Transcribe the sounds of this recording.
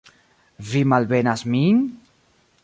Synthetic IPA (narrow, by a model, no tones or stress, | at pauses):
vimalβenazmiŋ